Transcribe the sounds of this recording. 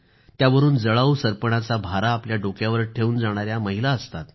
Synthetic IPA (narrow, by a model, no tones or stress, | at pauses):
jaʋəɾuːnd͡zəɭausəɾpəɳ̃at͡sabʱaɾaːpljaɖokjaʋəɾʈʰeuːnd͡zaɽ̃aɾjaməɦilaəst̪at̪